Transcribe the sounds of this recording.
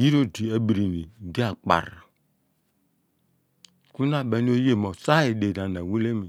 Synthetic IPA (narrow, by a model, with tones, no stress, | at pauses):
ji˦ɾo˦di˨e˦bi˨ɾi˨ni˨di˦a˨k͡pa̰˨ɾa˨ | ku˦na˦˨be˨˦n˦o˦je˦˨mo˨sa˦i˨de˨da˨na˨wu˦le˦mi˨